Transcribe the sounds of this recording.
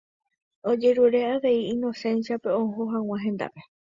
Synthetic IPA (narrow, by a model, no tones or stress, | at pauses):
od͡ʒe̞ɾuɾe̞aʋe̞iĩno̞sẽ̞nsiape̞õɦoɦãw̃ãɦẽnd̪a̰pe̞